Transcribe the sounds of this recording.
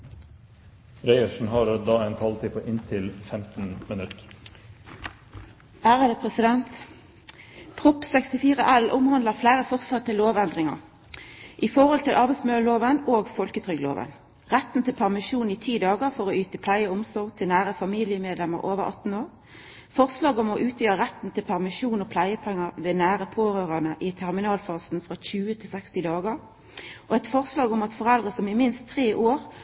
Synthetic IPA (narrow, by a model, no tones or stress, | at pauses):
ɾæɪəʂn̩hɑɾd̪ɑːeɪnkʰʋɑlt̪iːpʰoːʔɪnt̪ʰɪlfɛmt̪n̩mɪnʉt̪ | æːʁəd̪epʰʁɛsɪd̪ɛnt̪ | pʰʁʊpsɛkst̪ɪfiːʁəʔælʔʊmhɑnd̪ləʁflæːʁəfɔʁsɑt̪ʰːəlːoːʋænd̪ʁɪŋə̰ʁ | ʔifɔʁhɔlt̪ɪlʔɑʁbæɪsmøːəloːʋənoːɡfɔlkət̪ʰʁʏɡlo̰ːʋə̰n | ʁæt̪n̩t̪ʰɪlpʰæʁmɪʂuːnɪt̪ʰiːd̪ɑːɡəʁfɔʁoːyːt̪əpʰlæɪəʊmsɔɾɡ̚t̪ʰɪlnæːɾəfɑmiːlɪəmeːd̪lɛmə̰ʁʔoːʋəʁɑ̰t̪n̩oːɾ | fɔʁslɑːɡɔmɔʔʉːt̪ʰjyːəʁæt̪n̩t̪ʰɪlpʰæʁmɪʂuːnɔpʰlæɪəpʰɛŋːəʋeːnæːɾəpʰoːɾøːʁɑnəʔɪt̪ʰæʁmɪnɑːlfɑːsn̩fʁɑçʉːət̪ʰɪlsɛkst̪ɪd̪ɑːɡəʁ | ʔɔɛɪt̪fɔʁslɑːɡʊmɑt̪fɔʁɛld̪ʁəsɔmɪmɪnst̪ʰːʁeːʔoːʁ